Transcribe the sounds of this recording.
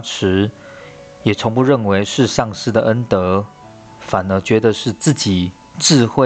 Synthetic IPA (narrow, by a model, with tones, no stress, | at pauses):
ʈ͡ʂʰɻ̩˧˥ | jɛ˨˩ʈ͡ʂʰʊ˧˥ŋpu˧ɻə˥˩nwe˧˥ɪʂɻ̩˥˧ʂɑ˥˧ŋʂɻ̩˥˩d̪ə˩ʔə˥nt̪ɤ˧˥ | fa˨˩nə˧˥t͡ɕɥɛ˧˥d̪ə˧ʂɻ̩˥˧t͡sɹ̩˥˩t͡ɕi˨˩ | ʈ͡ʂɻ̩˥˧xwe˥˧